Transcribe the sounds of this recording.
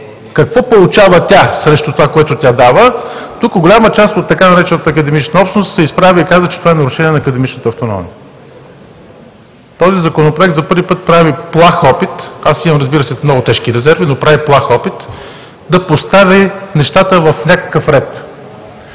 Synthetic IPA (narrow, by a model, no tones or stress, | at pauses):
kɐkvɔpolˠut͡ʃavət̪ʲasɾɛʃt̪ot̪ovakoɛt̪ʊt̪ʲad̪avət̪ukəɡolʲamət͡ʃast̪ot̪ːɐkanɐɾɛt͡ʃɛnət̪əːkəd̪ɛmit͡ʃnəɔpʃsnʊst̪sɛispɾavʲiikazvət͡ʃɛt̪ovaɛnɐɾʊʃɛniɛnɐːkɐd̪ɛmit͡ʃnət̪əːft̪onɔ̰miə | t̪ɔzizɐkonopɾoɛkt̪zɐpɤɾvipɤt̪̚pɾaviplˠaxɔpit̪asimɐmɾɐzbiɾəsɛmnɔɡʊt̪ɛʃkiɾɛzɛɾvinopɾaviplˠaxɔpit̪ | d̪ɐpost̪avinɛʃt̪at̪əvɐfnʲakə̥kəfɾɛt̪